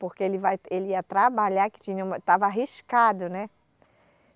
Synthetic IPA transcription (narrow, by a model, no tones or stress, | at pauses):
poɾkeelɪvajelɪiɐt̪ɾabaʎakɪ̥t͡ʃ̪ĩɲɐumɐt̪avɐaɦiʃkad̪ʊnɛ